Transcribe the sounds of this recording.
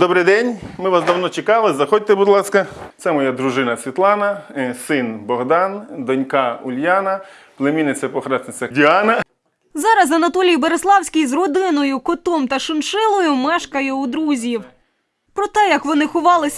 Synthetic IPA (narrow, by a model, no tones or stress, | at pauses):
d̪ɔbɾɪjd̪ɛnʲmɪʋasd̪ɐwnɔt͡ʃɪkɑlˠɪzɐxɔd̚ʲt̪ebʊd̪lˠɑskɐsɛmɔjad̪ɾʊʒɪnɐsʲʋʲit̪lˠɑnɐsɪnbɔɣd̪ɑnd̪ɔnʲkɑʊlʲjanɐ | plˠemʲinɪt̪sʲɛpɔxɾɑsnɪt͡s̪ʲɐdʲiɑnɐ | zɑɾɐzɐnɐt̪ɔlʲijbɐɾeslˠɑwsʲkʲijzrɔd̪ɪnɔjʊkɔt̪ɔmt̪ɐʃɪnʃɪlˠɔjʊmɛʃkɐjɛud̪ɾuzʲiw | pɾɔt̪ɛjɐkʋɔnɪxʊʋɑlˠɪsʲ